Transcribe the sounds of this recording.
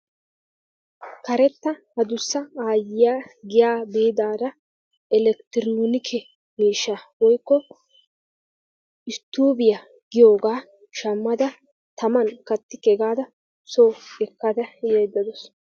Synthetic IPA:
kɐɾɛt̪ːɐhɐd̪ʊsːɐaːjɪjaːɡɪjaːbeːd̪aːd̪ɐ | ɛlɛkt̪ɪɾnɔnɪkʰɛ | miːʃːaːwɔjkːɔ | ɪst̪ːuːbɪja | ɡ̥ɪjo̞ːɡaː | ʃɐmːɐd̪ɐ | t̪ɐmɐnkɐt̪ːɪkɛɡaːd̪ɐ | soːɛkːad̪ɐjɛːd̪ːɐd̪ɔs

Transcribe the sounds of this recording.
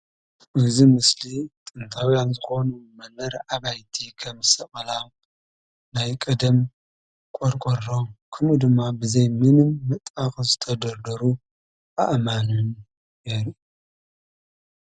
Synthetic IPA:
ʔɨzimɨslit̪ʼɨnt̪ʰawjanzɨxonumɐnɐɾʕaβajt̪ʰikʰɐmsɐχʼɐlam | najkʼɐd̪ɐm | kʼoɾkʼoɾokʰɨnud̪ɨmːabɨzɐjminɨmːɨt̪ʼakʼzɨt̪ʰɐd̪ɐɾd̪ɐɾu | ʔa̰ʔmanɨn | jeɾu

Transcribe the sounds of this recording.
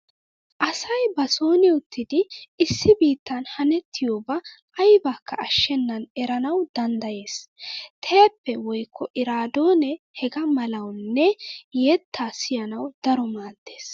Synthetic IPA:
ʔɐsɐjbɐso̞ːnɪʊt̪ʰːɪd̪ɪːsːɪbiːt̪ːɐnhɐnɛt̪ʰːɪjoːbɐ | ɐjbaːkːɐʔɐʃːɛnːɐnɛɾɐnɐwd̪ɐnd̪ɐje̞ːst̪ʰɛjɐpːɛwɔjkʰːɔʔɪɾaːd̪oːnɛ | hɛɡɐmɐlɐwnːɛjɛt̪ʰːaːsɪjɐnɐwd̪̥ɐɾɔmaːd̪ːe̞ːs

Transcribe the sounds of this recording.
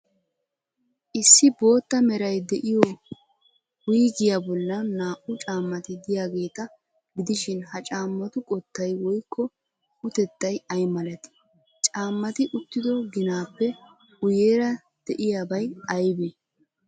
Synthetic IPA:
ʔɪsːɪbo̞ːt̪ːɐmɛɾɐjd̪ɛʔɪjɔ | wiːɡɪjabɔlːɐnaːʔʊt͡ʃʼaːmːɐt̪ɪd̪ɪjaːɡe̞ːt̪ɐ | ɡɪd̪ɪʃɪnhɐt͡ʃʼaːmːɐt̪ʊkʼɔt̪ːɐjwɔjkʰːɔ | ʊt̪ɛt̪ːɐjɐjmɐlɐt̪ɪ̥ | t͡ʃʼaːmːɐt̪ɪʔʊt̪ːɪd̪ɔɡɪnaːpːɛ | ʊjeːɾɐ | d̪̥ɛʔɪjaːbɐjɐjbeː

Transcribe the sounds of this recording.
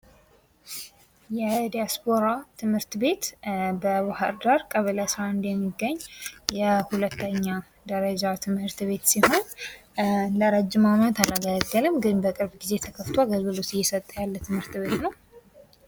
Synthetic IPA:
jɛd̪ijaspʰo̞ɾat̪ʰɨmhɨɾt̪be̞t̪bəwahaɾd̪aɾkʼəβəlasɾaɨnd̪jɛmːiɡːəɲːjɛhulət̪ːəɲːa | d̪əɾəd͡ʒat̪ʰɨmhɨɾt̪βe̞t̪siho̞n | ləɾəd͡ʒːɪmamət̪alaɡələɡːəlɨmɡɨnbəkʼɨɾbɡize̞t̪ʰəkʰəft̪ʰwaɡəlːɨlosɪjːɛsət̪ʼːəjalːət̪ʰɨmhɨɾt̪βe̞t̪nəw

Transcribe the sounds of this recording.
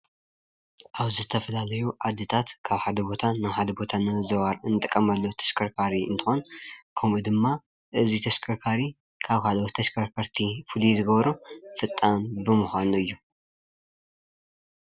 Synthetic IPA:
ʔaβzɨt̪ʰɐfɐlalɐjuʕad̪ɨt̪ʰat̪kʰaβħad̪ɐbo̞t̪ʰanɨħad̪ɐbo̞t̪ʰanɨmɨzɐβaɾɨnɨt̪ʼɨkʼːɐmɐlːot̪ʰɐ̥ʃkʰɐɾkʰaɾiɨ̰nt̪ʰɨ̥xonkʰɐmud̪ɨmːa | ʔɨzit̪ʰɐʃkʰɐɾkʰaɾi | kʰaβkʰalɐwot̪ʰːɐʃkʰɐɾkʰaɾt̪ʰifɨlizɨɡɐβɐɾufɨt̪ʼːanbɨmuxanuɨjːu

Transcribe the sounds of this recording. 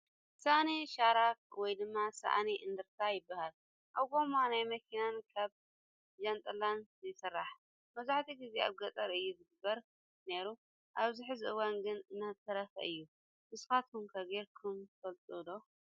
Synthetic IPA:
saʔniʃaɾak̚wɔjd̪ɨmːasa̰ʔniʔɨnd̪ɨɾt̪ʰajɪbːahal | ʔaβɡo̞manajmɐkʰinankʰaβ | d͡ʒant̪ʼɐlanzɨsɨrːaħ | mɐzaħt̪ʰiɡizeaβɡɐt̪ʼɐɾɨjːuzɨɡɨbːɐɾ | ne̞ɾu | ʔaβzɨħɨziɨwanɡɨnɨnːaɨt̪ʰːɐɾɐfɐ̰ʔɨjːu | mɨskat̪kumkʰɐɡeɾkʰumfɐlt̪ʼud̪o

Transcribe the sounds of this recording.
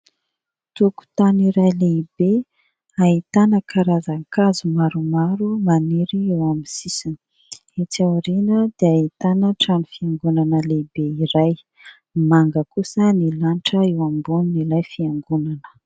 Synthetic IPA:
t̪uku̥t̪aniɾajleibe | ait̪anəkʰaɾazaŋkazumaɾumaɾumaneɾiewamisisini̥ | et͡sawɾinəd̪eait̪anəʈ͡ʂanufiaŋɡunanəlebeiɾaj | maŋɡəkusənilanʈ͡ʂəewambuninilajfiaŋɡunanə̥

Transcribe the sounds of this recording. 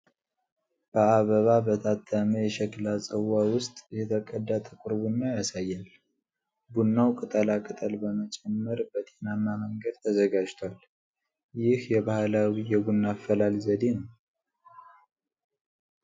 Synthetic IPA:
b̥əaβəβabət̪ʰat̪ʰːəməjɛʃɛklasʼəwawʊst̪ʼjɛt̪ʰəkʼəd̪ːat̪ʼəkʼʊɾbunːajasajːal | bunːawkʼɨt̪ʼəlakʼɨt̪ʼəlbəmət͡ʃʼɛmːəɾbət̪ʼe̞nanːaməŋɡəd̪̚t̪ʰəzəɡad͡ʒt̪ʰwal | jɪhjɛβahlawijɛɡunːafəlalzəd̪e̞nəw

